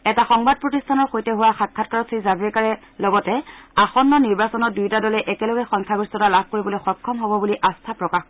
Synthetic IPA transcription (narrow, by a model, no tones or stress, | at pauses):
ɛtaxɔŋbad̚pɹɔtistʰanɔɹxojtɛɦʊwaxakʰːatkaɹɔtsʰizabɹikaɹɛ | lɔɡɔtɛaxɔnːɔniɹbasɔnɔt̚dujtadɔlɛʔɛkɛlɔɡɛxɔŋkʰaɡɹistɔtalab̚ʱkoɹibɔlojxɔkʰːɔmɦobɔbuliʔastʰapɹɔkax